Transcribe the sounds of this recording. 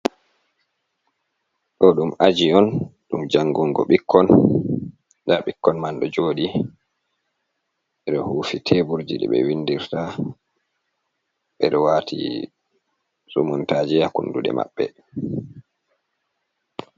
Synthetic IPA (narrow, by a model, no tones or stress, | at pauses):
ɗɔɗumad͡ʒiɔnɗumd͡ʒaŋɡuŋɡɔ̰ɓikʰːɔn | daɓikːɔnmanɗɔd͡ʒoːɗi | ɓɛɗɔhuːfitʰebuɾd͡ʒiɗɛ̰ɓɛ̰windiɾta | ɓɛɗɔwatʰḭ | sumuntaːd͡ʒijakunduɗɛ̰ma̰ɓːɛ